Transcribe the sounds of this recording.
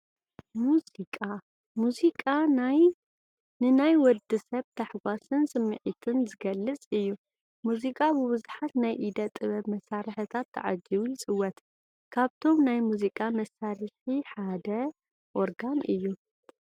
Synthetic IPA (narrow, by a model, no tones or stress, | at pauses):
muzikʼa | muzikʼanaj | nɨnajwɔd̪ɨsɐβt̪ʰaħɡʷasɨnsɨmːɨʕit̪ʰɨnzɨɡɐlːɨt͡sʼɨjːu | muzikʼabɨβɨzuħat̪najʔid̪ɐt̪ʼːɨβɐβmɐsaɾɨħɨt̪ʰat̪ʰːɨ̰ʕa̰d͡ʒiwuɨt͡sʼɨwːɐt̪ | kʰaβt̪ʰo̞mnajmuzikʼamɐsaɾɨħiħad̪ɐ | ʔoɾɡanʔɨjːu